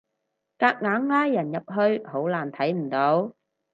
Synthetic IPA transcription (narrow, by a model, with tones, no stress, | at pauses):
kaː˧k̚ŋaː˨˥ŋːaː˥jːɐ˨˩njɐ˨p̚ɦɵ˧ɥho˨˥wlaː˨˩nt̪ʰɐ˨˥jm̩˨˩t̪o˨˥w